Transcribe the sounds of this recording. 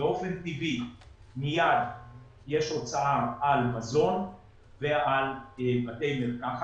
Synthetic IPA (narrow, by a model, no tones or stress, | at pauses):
eo̞fent̪ivi | mijad̪ | jeʃot͡saaalmazo̞n | vealebatejmevkaχ